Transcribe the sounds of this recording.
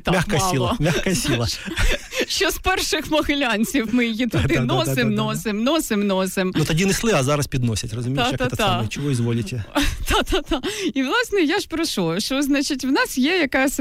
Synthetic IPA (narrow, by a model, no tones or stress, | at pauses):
t̪mʲaxkɐjsʲilˠɐmʲaxkɐjɐsʲilˠɐ | ʃt͡ʃɔspɛrʃɪxmɔɣɪlʲanʲt͡sʲiwmɪjɐjit̪ʊd̪ɪnɔsɪmnɔsɪmnɔsɪmnɔsɪmut̪ɐdʲinɪslˠɪɐzɑɾɐspʲid̪nɔsʲɐtʲrɐzʊmʲiajk̪t̪ɛt̪ɐt̪amt͡ʃɔʋɔizʋɔlʲɪtʲɛt̪ɑt̪at̪aiʋlˠɑsnɛjaʒpɾɐʃɔʃɔznɑt͡ʃɪtʲwnɑsjɛjɐkasʲ